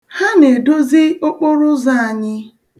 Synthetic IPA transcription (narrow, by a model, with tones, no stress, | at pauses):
ha˦ne˨do˦zi˦o˦k͡pʊ˦ɾʊ˦za˦˨a˨ɲɪ˦